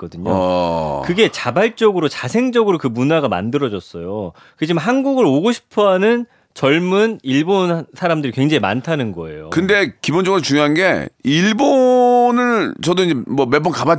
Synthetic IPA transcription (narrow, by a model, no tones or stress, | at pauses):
kʌdɯɲo̰ʌkɯɡe̞t͡ɕabaɭt͡ɕ͈ʌɡɯɾot͡ɕasʰeŋd͡ʑʌɡɯɾokɯmunaɡama̰ndɯɾʌd͡ʑʌs͈ʌjo | kɯd͡ʑimaɦanɡuɡɯɾoɡoɕʰi̥pʰʌɦanɯn | t͡ɕʌɭmuniɭbonsʰaɾamdɯɾikwe̞ŋd͡ʑaɦima̰ntʰanɯnɡʌe̞̰jo̰kɯnde̞kibond͡ʑʌɡɯɾot͡ɕuŋjoɦanɡe̞̰iɭbonɯɭt͡ɕʌdoiɲd͡ʑemʌmebonkaba